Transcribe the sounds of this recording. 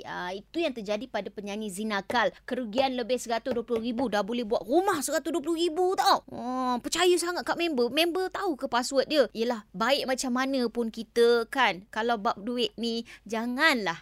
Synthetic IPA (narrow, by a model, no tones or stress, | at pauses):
əit̪ujaŋt̪ərd͡ʒadipadapəɲaŋizinakalkəɾuɡianləbɪhsəɡat̪oduəplʊhɾibudahbolɛɦbuaʔ̪̚rumahsəɡat̪oduəp̬lʊhɾibut̪awəpət͡ʃajusaŋat̪̚kaʔmɛ̃mbəmẽmbət̪aukəpaswət̪̚diəiəlahbaɪʔ̚mat͡ʃamːanə̃pʊnkit̪əkankalawbap̚duɪʔ̪̚nid͡ʒaŋanlah